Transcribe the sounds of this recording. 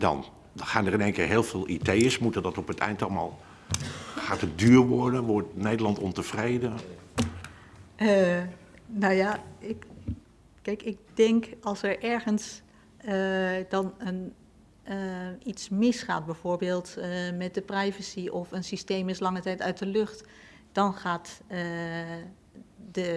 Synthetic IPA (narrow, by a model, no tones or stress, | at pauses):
dɑ̰n | χaːnərɪneːŋkɪːɹɦeːlˠvɪːlˠidejəsmutədɔtɔpətɛ̰jntɑlˠma̰ːlˠ | χaːtət̚dyːɹʋɔɹdənʋɔɹtnejdəlɑntɔntəv̥rejdə | nowjaɪk | kɛjkɪk̚dɛŋkɑlˠsɛɹʔɛɹχəns | dɑnən | itsmɪsχa̰ːt̚bɛjv̥oːɹbeːlˠtmɛt̚dəprajvəsiʔɔfənsisteːmɪslɑŋətɛjtœɥt̚dəløχt | d̥ɔnχaːt | də